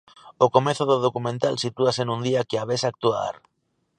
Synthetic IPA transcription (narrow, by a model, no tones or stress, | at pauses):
okomeθoðoðokumẽnt̪alsit̪uasenũnd̪iakeaβesak̚t̪ua̰ɾ